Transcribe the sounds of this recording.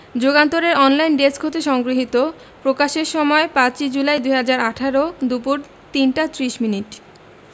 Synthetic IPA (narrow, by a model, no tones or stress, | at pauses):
d͡ʑoɡant̪oɾeɾɔnlajnɖeskʰot̪eʃɔŋɡɾiɦit̪o | pɾokaʃeɾʃɔmɔepãt͡ɕid͡ʑulajd̪ujɦad͡ʑaɾaʈʰaɾod̪upuɾ | t̪inʈat̪ɾiʃminiʈ